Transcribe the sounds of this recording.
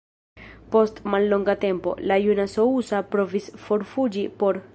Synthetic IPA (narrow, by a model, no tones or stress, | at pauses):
po̞stmalːo̞ŋɡate̞mpo̞̰lajunaso̞usapɾo̞visfo̞ɾfud͡ʒipo̞ɾ